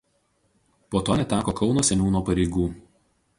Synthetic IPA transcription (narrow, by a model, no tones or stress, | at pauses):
poːt̪oːnʲɛt̪ʲæːkoːkʰɒʊnoːsʲɛnʲuːnoːpɐɾʲɛɪɡuː